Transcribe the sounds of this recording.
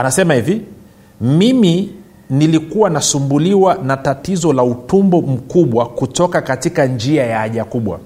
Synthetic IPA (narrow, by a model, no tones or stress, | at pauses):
anasɛmahivi | mimi | nilikuwanasumbuliwanatatizɔlautumbɔm̩kuɓwakutɔkakatikand͡ʒiajaaʄakuɓwa̰